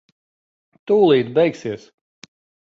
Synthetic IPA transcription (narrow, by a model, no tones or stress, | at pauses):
t̪uːlˠiːt̪bʲɛjksiɛs